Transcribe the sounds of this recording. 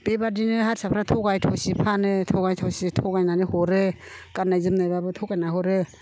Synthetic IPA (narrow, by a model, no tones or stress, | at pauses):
bebadinɯɦatsapʰɾatʰɔɡajtʰɔsipʰanɯtʰɔɡajtʰɔwsitʰɔɡajnanɯhɔɾɯ | kanajzɯmnajbabɯtʰɔɡajnaɦɔɾɯ